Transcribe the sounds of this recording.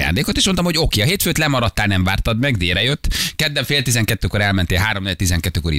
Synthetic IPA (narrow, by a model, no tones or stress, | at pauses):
ja̰ːnd̪eːko̞t̪eːʃmont̪ɒmhoɟo̞keːɒɦeːt̪føːt̪lɛmɒɾɒt̪ːaːlnɛɱvaːrt̪ɒd̪mɛɡd̪eːɾɛjøt̪ːkɛd̪ːɛɱfeːlt̪izɛŋkɛt̪ːøːkoɾɛlmɛnt̪eːlɦaːɾomnet̪izɛŋkɛt̪ːøːkoɾḭ